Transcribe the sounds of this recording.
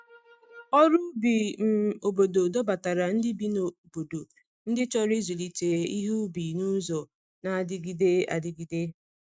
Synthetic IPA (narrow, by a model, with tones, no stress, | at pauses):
ɔ˦ɾu˦bi˨m̩˨o˨bo˨do˨dɔ˦ba˨ta˨ɾa˨n̩˦dɪ˦bi˦no˨bo˨do˨ | n̩˦dɪ˦t͡ʃɔ˦ɾi˦zu˨li˨te˨i˦ɦu˦bi˨nu˦zɔ˨ | na˨a˨dɪ˦ɡi˦de˦a̰˨dɪ˦ɡi˨de˦